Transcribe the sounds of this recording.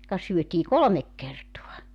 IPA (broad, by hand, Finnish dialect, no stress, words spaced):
kɑ syøtiː kolomek kertoɑ